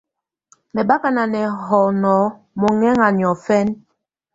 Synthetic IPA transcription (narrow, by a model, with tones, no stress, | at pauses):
mɛ˨ɓa˦ka˨na˨nɛ˨ɦɔ˨nɔ˨˦ | mɔ˨ŋɛ˦ŋa˨n˨ɔ˨fɛ˦n